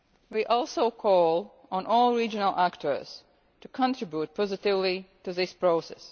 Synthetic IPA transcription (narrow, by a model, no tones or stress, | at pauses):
wiʔɔlˠsoʊkʰɔlˠ | ɔ̃nʔɔlˠɹid͡ʒənəl̩ˠʔæktʰə˞z̥ | tukʰɔ̃ntɹɪbjut̚pʰɔzɪtɪvlituðɪspɹoʊsɛ̰s